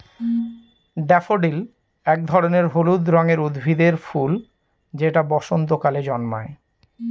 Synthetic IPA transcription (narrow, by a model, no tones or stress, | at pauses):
ɖɛfoɖil | ɛk̚d̪ʱɔɾoneɾɦolud̪ɾɔŋeɾud̪bʱid̪eɾful | d͡ʑeʈabɔʃont̪okaled͡ʑɔnma̰e